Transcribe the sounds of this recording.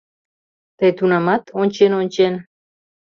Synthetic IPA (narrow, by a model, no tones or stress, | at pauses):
t̪ejt̪unɑmɑt̪ʰonʲt͡ʃenonʲt͡ɕen